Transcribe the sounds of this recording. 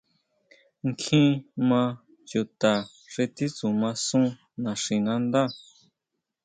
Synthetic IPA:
ŋkʰĩ˦mã˧ | ju˨t̪a˨ | ʂe˧t̪i˦t͡su˨mã˧sũ˦ | nã˨ʂĩ˨nã˧˦nd̪a˦˨

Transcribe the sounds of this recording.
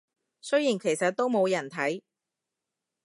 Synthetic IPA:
sɵ˥jiː˨˩nkʰe˨˩jsɐ˨t̚t̪ːo˥wmo˨˧wjɐ˨˩nt̪ʰɐ˨˥j

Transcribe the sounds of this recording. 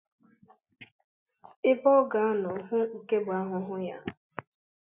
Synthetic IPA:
ɪ˦bɔ˦ɡa˨a˦nɔ˨˦ɦʊ˦ŋ̩˨ke˦bʊ˨a˦ɦʊ˨˦ɦʊ˦ja̰˦

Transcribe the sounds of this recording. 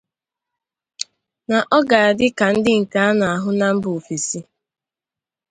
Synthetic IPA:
na˨ʔɔ˦ɡa˨a˨dɪ˦ka˨n̩˦dɪ˦ŋ̩˨ka˨˦a˦na˨a˨ɦʊ˦na˦m̩˦bfi˨si˦

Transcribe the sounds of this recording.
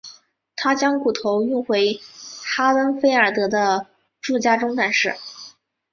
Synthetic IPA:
t̪ʰa˥t͡ɕjɑ˥ŋku˨˩t̪ʰo˧˥ʊy˥˩nxwe˧˥ɪxa˥lə˥nfe˥ɪə˞˨˩t̪ɤ˧˥d̪ə˧ | ʈ͡ʂu˥˩t͡ɕja˥ʈ͡ʂʊ˥ŋt̪a˥˩nʂɻ̩˥˩

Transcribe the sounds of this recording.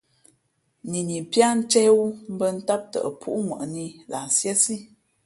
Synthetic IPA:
ni˨ni˨pja˦n̩˦t͡ʃɛ˦wu˦m̩˦bə˦n̩˦ta˦p̚tə̰˨ə˨pʰṵ˦ʔŋwə̰˨ʔni˦la˨sjə˦si˦

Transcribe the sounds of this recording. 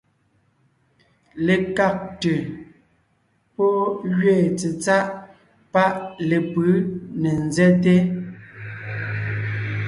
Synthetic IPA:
le˨ka˨k̚te˨ | pɔ˦ɣɥeː˦˨t͡se˨t͡sa˦ʔ | pa˦ʔle˨pɯ˨˦nɛ˨n˨zɛ˦t̬e˦

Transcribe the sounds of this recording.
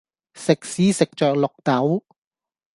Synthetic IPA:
sɪ˨k̚siː˨˥sɪ˨k̚t͡ʃœː˨k̚lʊ˨k̚t̪ɐ˨˥w

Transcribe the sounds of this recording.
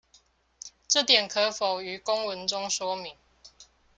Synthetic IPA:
ʈ͡ʂɤ˥˨t̪jɛ˨˩nkʰɤ˧˦fo˨˩ʊy˨˥kʊ˥ŋwə˧˦nʈ͡ʂʊ˦ŋʂwɔ˥mi˨˦ŋ

